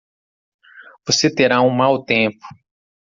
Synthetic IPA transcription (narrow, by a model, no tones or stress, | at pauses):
voset̪eɾaũmawt̪ẽpʊ̥